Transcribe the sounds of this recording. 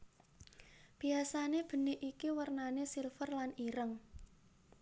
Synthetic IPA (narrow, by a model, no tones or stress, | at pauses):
b̥i̤asaneb̥ə̤niʔikiwərnanesilfərlaniɾəŋ